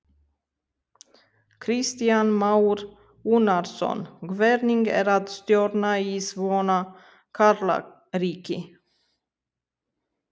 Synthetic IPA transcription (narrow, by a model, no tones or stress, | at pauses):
kʰɾɪst̪ɪanmaʉɾ | ʉnaɾsɔ̰nɡvɛɾnɪŋɡæ̰ɾat̪st̪jøɾnaiːsvoːna | kʰaɾla̰ | ɾiːkə